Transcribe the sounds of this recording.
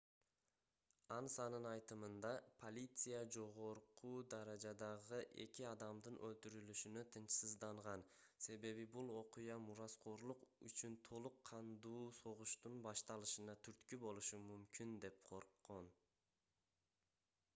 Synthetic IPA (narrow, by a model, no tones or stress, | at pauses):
ɑnsɑnɯnɑjt̪ɯmɯnd̪ɑpʰo̞lʲit̪sɨjad͡ʒo̞ʁo̞ɾqud̪ɑɾɑd͡ʒɑd̪ɑʁɯʔe̞̰kʲiɑd̪ɑmd̪ɯnʔølt̪yɾylyʃynøt̪ʰɯnt͡ʃsɯzd̪ɑɴʁɑn | se̞βe̞βibulˠo̞qujɑmuɾɑsqoɾlˠuqyt͡ʃynt̪ʰo̞lˠuqʰːɑnd̪uːso̞ʁuʃt̪unbɑʃt̪ɑlˠɯʃɯnɑt̪ʰyɾt̪kybo̞lˠuʃumymkynd̪e̞p̚qʰo̞ɾqːo̞n